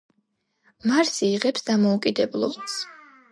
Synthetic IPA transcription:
maɾsiːʁɛpsd̪amɔukʼid̪ɛblˠɔ̰bs

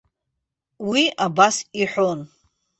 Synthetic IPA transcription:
wiabasiħʷon

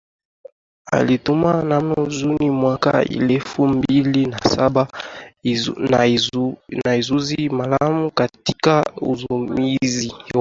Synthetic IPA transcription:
a̰litumanamozunimwaka̰ḭlɛfumbilinasaba | nnaezuzimalamukatikaṵzomizi

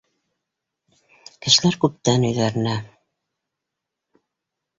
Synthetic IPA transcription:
kɘ̆ʃɘ̆læɾkʉp̚t̪ænɵ̆jðæɾɘ̆næ

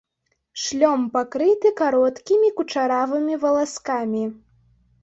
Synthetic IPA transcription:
ʂlʲɔmpakɾɨt̪ɨkaɾɔt̪kʲimʲikut͡ʂaɾavɨmʲivɐlˠaskamʲi

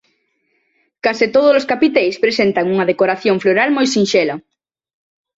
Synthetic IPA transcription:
kasɪt̪oð̞ʊloskapit̪ejspɾesent̪ɐŋuŋɐðekoɾaθjoŋfloɾalmojsinʃɛlɐ

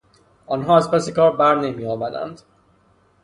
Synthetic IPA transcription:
ʔɒːnɦɒːæzpæsekʰɒːɾbæɾne̞miːjɒːbæd̪æ̰nd̪

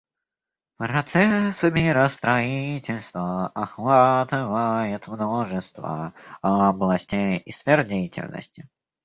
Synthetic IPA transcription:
pɾɐt̪sɛsəmʲɪɾəst̪ɾɐitʲɪlʲst̪vəɐxvat̪ɨvəjɪt̪mnoʐəst̪və̰ɐblˠɐsʲtʲejisfʲerdʲejɪtʲɪ̰lʲnə̰sʲtʲɪ

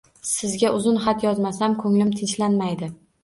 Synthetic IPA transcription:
sɪzɡʲaʔʊzʊnχat̪jɒzmasamkʰɵŋlɪmt̪ʰɪnt͡ʃlanmajd̪ɪ

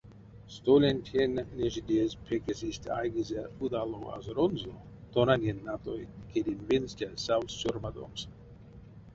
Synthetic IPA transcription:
st̪olʲenʲt̪ʲʰenʲːeʒid̪ʲespʰekesisʲt̪ʲa̰jɡizeud̪aloa̰zɾonzo | t̪onanʲenʲːat̪ojkʲʰed̪ʲimvenstʲasawst͡ʃuɾmad̪o̰ms

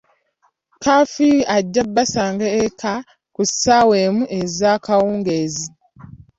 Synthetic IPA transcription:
kafiaɟːabːasaːŋɡeːkʰa | kussaweːmuʔezakawuːŋɡezi

